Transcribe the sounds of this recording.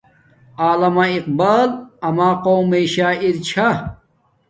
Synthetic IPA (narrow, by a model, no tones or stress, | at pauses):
aːlɐmaiq̚baːlɐmaːqoːwmeɕaːiɾt͡ɕʰa